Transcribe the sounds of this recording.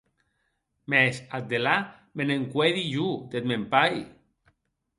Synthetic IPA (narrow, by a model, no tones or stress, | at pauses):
mɛsat̪̚d̪ela | meneŋkweðiʒud̪et̪̚mempaj